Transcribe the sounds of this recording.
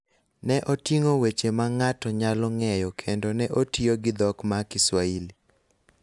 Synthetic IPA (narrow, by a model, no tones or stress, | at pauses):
nɛʔotiŋowet͡ʃemaŋatɔɲalɔŋɛjɔkʰendonɛʔotioɡɪd̪ɔkmakɪswaili